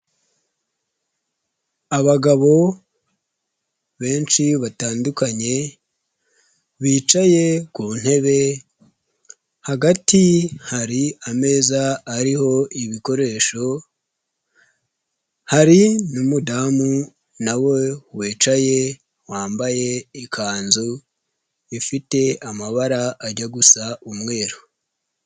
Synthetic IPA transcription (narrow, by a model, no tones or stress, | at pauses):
aβaɡaβo̞ | βe̞ːnt͡ʃiβataːndukaɲe̞ | βiːt͡ʃaje̞kun̥he̞βe̞ | haɡatihaɾiame̞ːzaːɾiho̞ʔiβiko̞ɾe̞ːʃo̞ | haɾinumudamu | nawe̞wiːt͡ʃaje̞ | waːmbaje̞ikʰaːnzu | ifite̞amaβaɾaːɟaɡusaʔumŋe̞ːɾo